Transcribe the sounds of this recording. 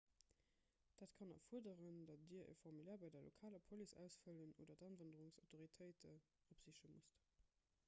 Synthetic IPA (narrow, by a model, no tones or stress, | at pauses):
d̥aːtkʰɑnɑ̰fuɐdəʁəndɑt̚d̥iːɐʔə̰fɔʁmylɛːɐbɑɪdɐlʔo̰kʰaːləpʰolisæ̰ʊsfələno̰ːdɐdɑnvəndəʁʊŋsaʊtʰoʁitʰəɪtʰə | opz̥iɕəmust